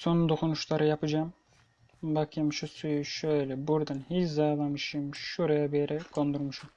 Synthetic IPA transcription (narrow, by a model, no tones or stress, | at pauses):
so̞nund̪o̞kʰunuʃlˠaɾɯjapʰɯd͡ʒam | bakʰɯmʃusujuʃøjlʲɛbuɾd̪anhit͡ʃzajlˠamɯʃɯmʃuɾajabijɛɾɛɡʰo̞nd̪uɾmuʃum